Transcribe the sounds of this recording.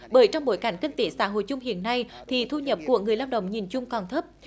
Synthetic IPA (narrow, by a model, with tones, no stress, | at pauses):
ɓəː˨˦jt͡ɕɔ˧wŋ͡mɓo˨˦jka˨˧˩jŋ̟kï˧ŋ̟t̪e˧˨˩sa̰ː˧˦ɦo̰˧˨jt͡ɕʊ˧ŋ͡mhḭ˧˨ənːa˧jt̪ʰi˨˩t̪ʰu˧ɲə˨˩p̚ku˨˩əkŋɨ˨˩əjlaː˧wɗə̰˧˨wŋ͡mɲi˨˩nt͡ɕʊ˧ŋ͡mkɔ˨˩nt̪ʰə˦˥p̚